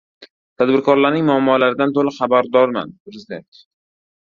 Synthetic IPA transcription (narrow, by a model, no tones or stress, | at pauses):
t̪ʰad̪bɪɾkʰɒɾlaɾnɪŋmʊamːɒlaɾɪd̪ant̪ʰoɾɪχabaɾd̪ɒɾma̰nʊɾɪzt̪e